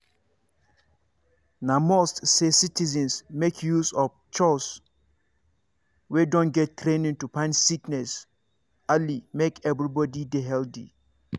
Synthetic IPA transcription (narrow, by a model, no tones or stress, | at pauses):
nãmostsesitʰizɛ̃nsmekʰjusɔf | t͡ʃʰɔs | wedɔ̃nɡɛttʰːɾẽnĩŋtupʰãnsiknɛs | alimekʰɛvɾibɔdideɦɛldḭ